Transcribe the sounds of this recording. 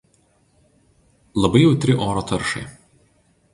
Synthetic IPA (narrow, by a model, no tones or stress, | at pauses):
lˠɐbɐɪjɛʊt̪ʲɾʲɪʔoːɾoːt̪ɐɾʃɐ̰ɪ